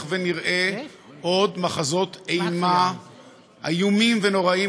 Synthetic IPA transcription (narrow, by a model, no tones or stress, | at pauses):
veniʁʔe | ʔo̞dmaχazo̞t̪ejma | a̰jumimveno̞ʁai